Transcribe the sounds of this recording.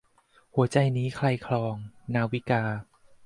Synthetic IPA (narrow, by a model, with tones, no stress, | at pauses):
hu˩˦ɐt͡ɕa˧jniː˦˥kʰla˧jkʰlɔː˧ŋnaː˦˥wi˦˥kaː˧